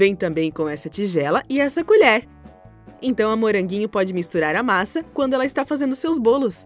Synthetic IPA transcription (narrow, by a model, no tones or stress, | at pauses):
vẽj̃t̪ɐ̃mbẽj̃kõɛsɐt͡ʃiʒɛlɐʔɪɛsɐkuʎɛɾ | ẽt̪ɐ̃w̃ɐmoɾɐ̃ŋɡĩɲʊpɔd͡ʒɪmist̪uɾaɾɐmasɐkwɐ̃d̪ʊɛlɐist̪afazẽnd̪ʊsewzbolʊs